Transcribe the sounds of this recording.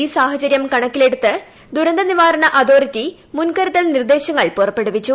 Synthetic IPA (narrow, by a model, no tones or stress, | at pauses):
iːsaːɦɐt͡ɕɐɾjɐmkɐɳɐkːile̞ɽut̪ːɨ | d̪uɾɐnd̪ɐniʋaːɾɐɳɐʔɐd̪o̞ːrit̪ːi | munkɐɾiðɐlnird̪e̞ːɕɐŋːɐɭpurɐpːe̞ɽuʋit͡ɕːu